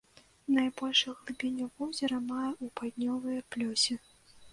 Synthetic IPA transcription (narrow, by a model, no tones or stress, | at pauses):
najbɔlʲʂɨɣlˠɨbʲenʲːɐwvɔwzʲɐɾɐmajɛʔupad̪ʲnʲɔvɨjɐplʲɔsʲɛ